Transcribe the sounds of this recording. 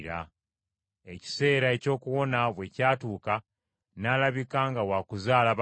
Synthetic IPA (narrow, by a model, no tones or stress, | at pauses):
ɾa̰ | e̞ci̥se̞ːɾae̞co̞ːkuwo̞naβwe̞caːtuːka | naːlaβikaŋɡawakuzaːlaβ